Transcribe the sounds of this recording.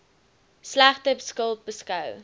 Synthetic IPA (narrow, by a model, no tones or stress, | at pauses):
slæχtəbskəlˠt̚bəskɐw